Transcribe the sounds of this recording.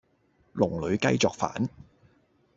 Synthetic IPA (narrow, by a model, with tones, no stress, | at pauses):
lʊ˨˩ŋlɵ˨˧ɥkɐ̰˥jt͡sɔː˨k̚fa̰ː˨˥n